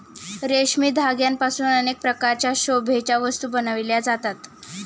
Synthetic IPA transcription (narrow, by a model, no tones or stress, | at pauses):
ɾeɕmiːd̪ʱaɡjampasuːnənek̚pɾəkaɾt͡ɕjaɕobʱet͡ɕjaʋəst̪uːbənaʋiljad͡zat̪at̪